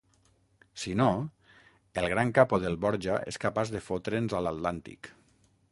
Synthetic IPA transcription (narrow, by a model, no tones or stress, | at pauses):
sino | elˠɣ̞ɾaŋkapoðelˠβɔɾʒaʔḛskapazðefot̪ɾenzalat̪lant̪ḭk